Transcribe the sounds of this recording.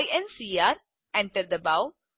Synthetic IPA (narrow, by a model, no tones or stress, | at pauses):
ɪɛ̃nsiːaːɾ | ɛ̃ɳʈəɾɖ̪d̪əbaʊ